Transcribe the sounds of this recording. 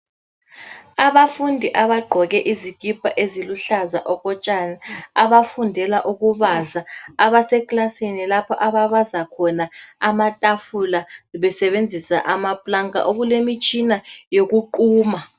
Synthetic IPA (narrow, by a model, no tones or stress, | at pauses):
aβafundʱiʔaβaɡ͡ǃʱɔɣ̬ɛʔiziɡ̥̬ʱʼib̥ʱʼaʔeziluɬazaʔɔkɔt͡ʃʼanaaβafundʱɛlaʔuɣ̬uβazaaβasɛkʼlasinilapʰɔʔaβaβazakʰɔnaamatʼafulaɓɛsɛβend͡zʱisa̰ʔamapʼlaŋʼa̰ʔoɣulemit͡ʃʼinajok̬uǃuːma